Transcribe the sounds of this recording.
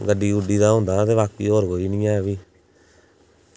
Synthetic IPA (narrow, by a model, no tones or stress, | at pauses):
ɡəɖiːʊɖiːd̪aːɦõːnd̪aːt̪eːβaːkiːɦoːɾɡoːiːnĩːaːbiː